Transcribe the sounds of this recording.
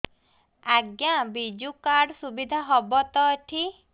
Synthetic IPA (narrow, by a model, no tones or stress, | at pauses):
aɡjabid͡ʒukaɾɖsubid̪ʱaɦɔbɔt̪ɔʈʰi